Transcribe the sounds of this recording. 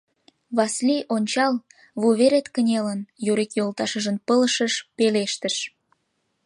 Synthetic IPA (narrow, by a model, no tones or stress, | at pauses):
βɑslʲiʔonʲt͡ɕɑl | βuβeɾet̪kənʲelənjuɾikjolˠt̪ɑʃəʒənpələʃəʃpeleʃt̪əʃ